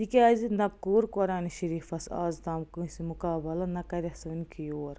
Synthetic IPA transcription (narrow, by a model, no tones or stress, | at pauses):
d̪ikʲaːzinɐkːuːɾkɔɾaːniʃɐɾiːfɐsa̰ːzd̪aːmkɨsimukaːbɐlɐnɐkɐɾɐsɐnikʰijoːɾ